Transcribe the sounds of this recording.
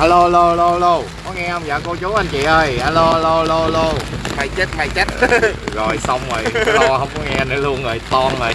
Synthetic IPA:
haː˧lo˧a˧lo˧ha˧lo˧ha˧lo˧kɔ˨˦ŋɛ˧ʔə˧wŋ͡mzə̰ː˧˨˩ko˧t͡ɕu˨˦ʔa˧nt͡ɕḭ˧˨ʔəː˧jhaː˧lo˧haː˧lo˧a˧lo˧a˧lo˧ma˧jt͡ɕə˦˥t̚ma˧˩jt͡ɕə˦˥t̚ɣo̰˨˩jsa˧wŋ͡mvo˨˩j̪thə˧wŋ͡mkɔ˨˦ŋɛ˧ʔnə˨˦lu˧ənə˨˩jt̪ɔ˧nə˨˩j

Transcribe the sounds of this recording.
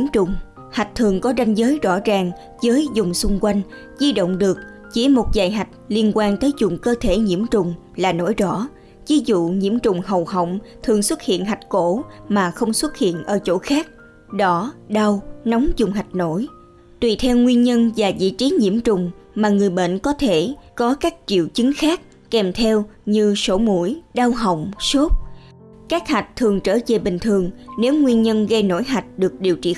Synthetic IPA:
mt͡ɕʊ˨˩ŋ͡m | ha˨˩k̟̚t̪ʰɨ˨˩əŋkɔ˨˦za˧jŋ̟zəː˨˦jzɔ̰˧˥zaː˨˩ŋ | zəː˨˦jzʊ˨˩ŋ͡msʊ˧ŋ͡mkwa˧jŋ̟ | zi˧ɗo̰˧˨wŋ͡mɗɨ˨˩ək̚ | t͡ɕi˧˩mo˨˩t̚zaː˨˩jɦa˨˩jk̟̚li˧ənkwaː˧nt̪əː˨˦jzʊ˨˩ŋ͡mkəː˧t̪ʰe˧˩ɲḭ˧˥əmt͡ɕʊ˨˩ŋ͡m | laː˨˩no̰˧˥˩jzɔ̰˧˥ | vi˨˦zṵ˧˨ɲḭ˧˥əmt͡ɕʊ˨˩ŋ͡mhə˨˩whə˧˨wŋ͡mt̪ʰɨ˨˩əŋswə˦˥t̚hḭ˧˨ənɦa˨˩jk̟̚ko˧˥maː˨˩xə˧wŋ͡mswə˦˥t̚hḭ˧˨ənʔəː˧˩t͡ɕo̰˧˥xaː˦˥k̚ | ɗɔ˨˦ɗa˧wnɔ˨˦wŋ͡mzʊ˨˩ŋ͡mɦa˨˩jk̟̚no˧˥j | t̪wi˨˩t̪ʰɛ˧wŋwi˧ənɲə˧nvaː˨˩zḭ˧˥t͡ɕi˨˦ɲḭ˧˥əmt͡ɕʊ˨˩ŋ͡mmaː˨˩ŋɨ˨˩əjɓə̰˧˨nkɔ˨˦t̪ʰe˧˩kɔ˨˦kaː˦˥k̚t͡ɕḭ˧˨əwt͡ɕɨ˨˦ŋxaː˦˥k̚ | kɛ˨˩mt̪ʰɛ˧wɲɨ˧so˧˩˦mṵ˧˩˥jɗaː˧wɦə̰˧˨wŋ͡mso˦˥t̚ | kaː˦˥k̚ha˨˩jk̟̚t̪ʰɨ˨˩əŋt͡ɕəː˧˩ze˨˩ɓï˨˩ŋ̟t̪ʰɨ˨˩əŋne˨˦wŋwi˧ənɲə˧nɣə˧jno̰˧˥jɦa˨˩jk̟̚ɗɨ˨˩ək̚ɗi˨˩əwt͡ɕḭ˧˨

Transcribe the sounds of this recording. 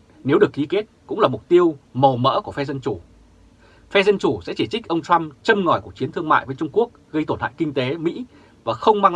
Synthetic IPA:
ne˨˦wɗɨ˨˩ək̚ːi˨˦ke˦˥t̚kʊ̰˧˥ŋ͡mlaː˨˩mʊ˨˩k͡p̚t̪i˧əwmə˨˩wmə̰ː˧˥ku˧˩əfɛ˧zə˧nt͡ɕu˧˩ | fɛ˧zə˧nt͡ɕu˧˩sɛ̰˧˥t͡ɕi˧˩t͡ɕk̟̚ʔə˧wŋ͡mt͡ɕa˧mt͡ɕə˧mŋɔ˨˧˩jku˨˩ək̚t͡ɕi˨˦ənt̪ʰɨ˧əŋma̰ː˧˨jvəː˨˦jt͡ɕʊ˧ŋ͡mku˦˥ək̚ɣə˧jt̪o˧˩nta̰ː˧˨kï˧ŋ̟t̪e˨˦mḭ˧˥ | vaː˨˩xə˧wŋ͡mmaː˧ŋ

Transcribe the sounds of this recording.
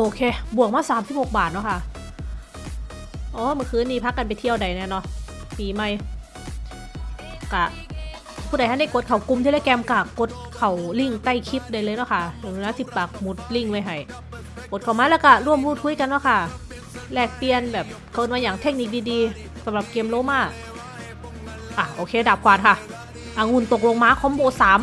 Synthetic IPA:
ʔoː˧kʰeː˧bu˨˩ək̚maː˧˥˩saː˨˦mt̪ʰiː˧˥˩ho˨˩k̚baː˨˩t̪̚nɔ˧˥˩kʰa˥˩ʔ | ʔɔː˨˧˦mɯ˧˦nkʰɯː˧˨nːiː˧˩pʰa˦˥kːa˧np̬a˨jt̪ʰi˧əwda˨˩jnɛː˧˥˨nɔ˧˥piː˨˩ma˧˩j | ka˧˩ | pʰuː˧˩da˨˦jha˧˥˩da˧˩jko˨˩t̪̚kʰa˨˩wku˧mt̪ʰi˧ɾɛ˧˥˩kɛː˧mka˧˩ko˧˦t̪̚kʰa˨˩wli˧˩ŋt̪a˧˥˩jkʰi˧˦˥p̚da˧jlɤː˧jnɔ˧˥˩kʰa˥˩ja˨˩nu˧naː˧˥si˧˦˩pːaː˨˩k̚mu˨˩t̪̚li˧˥˩ŋwa˧˩jɦa˧˩j | koː˨˩t̪̚kʰa˨˩wmaː˧˦lɛː˧˥˩wka˧˩ɾu˧˥˩əmɾuː˥˩t̪̚ʰu˧˥˦jka˧nːɔ˧˥˩kʰa˧˥˩ | lɛː˨˩k̚pi˧ənbɛː˨˩p̚kʰɤː˧nmaː˧jaː˨˩ŋt̪ʰe˦˧˥k̚ni˧˨k̚diː˧diː˧ | sa˨˦mɾa˨˩p̚keː˧mloː˧˦˥maː˧˥˩ | ʔaː˧˩ʔoː˧kʰeː˧daː˨˩p̚kwaː˨˩nkʰa˧˥˩ | ʔaː˧˩ŋu˧˩nt̪o˨˩k̚lo˧ŋmaː˧˥kʰɔː˧˥˦mboː˧˩saː˨˦m

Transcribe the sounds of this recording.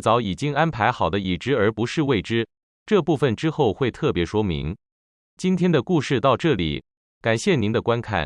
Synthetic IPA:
t͡sɑ˧˥ʊi˨˩t͡ɕi˥ŋa˥npʰa˧˥ɪxɑ˨˩ʊd̪ə˦i˨˩ʈ͡ʂɻ̩˧˥ə˞˧˥pu˧˥ʂɻ̩˥˧we˥˩ɪʈ͡ʂɻ̩˥ | ʈ͡ʂɤ˥˧pu˥˩fə˩nʈ͡ʂɻ̩˥xo˥˩ʊxwe˥˧ɪt̪ʰɤ˥˩pjɛ˧˥ʂwɔ˥mḭ˧˥ŋ | t͡ɕi˥nt̪ʰjɛ˥nd̪ə˨ku˥˧ʂɻ̩˥˧t̪ɑ˥˧ʊʈ͡ʂɤ˥˩lḭ˨˩ | ka˨˩nɕjɛ˥˩ni˧˥nd̪ə˨˧kwa˥nkʰa̰˥˩n

